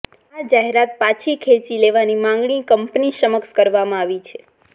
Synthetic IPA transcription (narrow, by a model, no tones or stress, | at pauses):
ad͡ʒaɦeɾat̪̚pat͡ʃʰikʰet͡ʃileʋanimãŋɡɳikəmpniʃəməkskəɾʋamãaʋit͡ʃʰe